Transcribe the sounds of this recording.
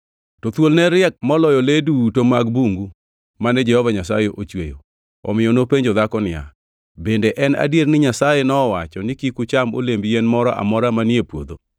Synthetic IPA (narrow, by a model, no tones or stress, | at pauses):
tɔt̪wolnɛɾɪɛk̚mɔlɔjɔledutomaɡbuŋɡu | manɛd͡ʒɛhɔvaɲasajeʔot͡ʃwḛjo̰ | ɔ̰mɪjɔnopeɲd͡ʒɔd̪akɔnɪja̰ | bendeʔɛna̰djeɾnɪɲasajenɔːwat͡ʃɔnɪkikut͡ʃamo̰lembijenmɔɾɔʔa̰mɔɾamaniepwo̰d̪o